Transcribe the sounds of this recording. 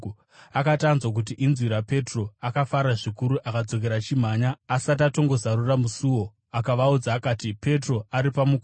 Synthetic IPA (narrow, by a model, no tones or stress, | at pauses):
akatanzwak̬ut̬iʔinzwiɾape̞tro̞akafaɾaʐikuɾuʔakad͡zo̞k̬e̞ɾat͡ʃim̤aːɲaːsat̬ato̞ŋɡo̞zaɾuramusuwo̞ | akaʋaud͡zaːkaːtipe̞tro̞aɾipamukː